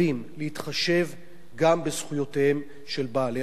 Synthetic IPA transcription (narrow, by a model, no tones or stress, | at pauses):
imlehitχaʃe̞v | ɡambezχujo̞tehem | ʃe̞lbaːle